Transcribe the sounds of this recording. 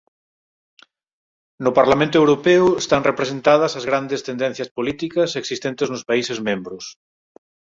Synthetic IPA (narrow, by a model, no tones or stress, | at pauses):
nʊpaɾlamẽnt̪ʊoewɾopeʊest̪aŋrepɾesẽnt̪að̞ɐsɐzɣɾand̪est̪end̪ɛ̃n̟θjɐspolit̪ikɐseksist̪ent̪eznʊspaisɪzmẽmbɾʊs